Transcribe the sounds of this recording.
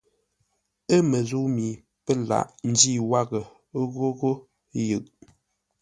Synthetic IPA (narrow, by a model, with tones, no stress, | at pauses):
ə˦mə˨zu˦mi˨ | pə˦la̰˨ʔn̩˦di˦˨wa˦ɣə˨˦ | ɣo˦ɣo˦ | jə˨ʔ